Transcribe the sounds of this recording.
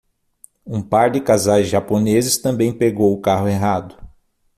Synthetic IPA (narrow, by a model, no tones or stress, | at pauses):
ũpaɾd̪ɪkazajzʒaponezɪst̪ɐ̃mbẽj̃peɡowʊkaɦʊeɦad̪ʊ